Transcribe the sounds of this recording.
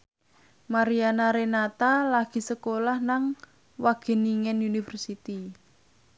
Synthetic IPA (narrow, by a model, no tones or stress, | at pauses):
maɾianaɾenat̪alaɡ̥i̤səkolahnaŋ | waɡ̥e̤niŋɛnunifərsit̪i